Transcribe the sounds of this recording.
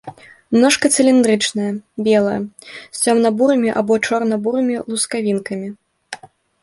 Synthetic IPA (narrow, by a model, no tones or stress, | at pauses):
mnɔʂkɐt̪sɨlʲind̪ɾɨt͡ʂnɐjɐbʲɛlˠɐjɐ̰sʲt͡sʲɔmnɐbuɾɨmʲiʔabɔt͡ʂɔrnɐbuɾɨmʲilˠuskavʲinkɐmʲi